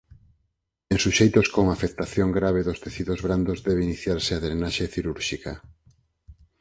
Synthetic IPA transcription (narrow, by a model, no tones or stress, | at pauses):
eŋsuʃejt̪oskoŋafek̚t̪aθjoŋɡɾaβ̞eðʊst̪eθiðozβɾand̪ozðɛβeiniθjaɾseaðɾenaʃeθiɾuɾʃikɐ̰